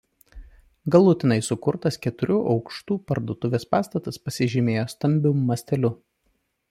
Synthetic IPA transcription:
ɡɐlˠʊt̪ʲɪnɐɪsʊkʊɾt̪ɐskʲɛt̪ʊɾʲuʔɒʊkʃt̪uːpɐɾd̪oːt̪ʊʋʲeːspɑːst̪ɐt̪ɐspɐsʲɪʒʲɪmʲeːjoːst̪ɐmʲbʲʊmmɐsʲt̪ʲɛlʲʊ

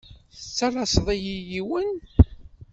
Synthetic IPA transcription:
θət͡sːælˤɑsˤðˤijijiwən

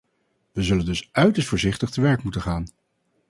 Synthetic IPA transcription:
ʋəzɵləndɵsœɥtəɹstfʊːɹzɪχtəχtəʋɛɹkmutənχaːn

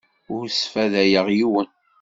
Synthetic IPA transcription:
ʊɾsfæðæjəʁjiwən

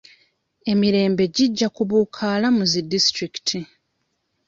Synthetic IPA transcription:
e̞miɾe̞ːmbe̞ɟiɟːakuβuːkʰaːlamuzidistɾiki̥tʰi

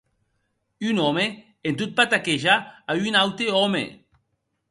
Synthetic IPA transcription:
ynome | ent̪ut̪̚pat̪akeʒaajynawt̪eomḛ

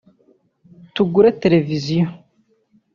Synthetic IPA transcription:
tuɡuɾet̪elevizijo

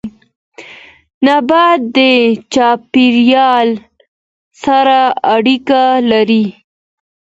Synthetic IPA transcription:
nabat̪̚d̪ət͡ʃɑpiɾjɑl | saɾaaɽikalaɾi

